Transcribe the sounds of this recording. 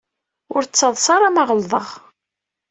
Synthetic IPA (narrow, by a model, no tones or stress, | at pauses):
ʊɾt͡sːɑðˤsɑɾˤɑmɑʁəlðˤəʁ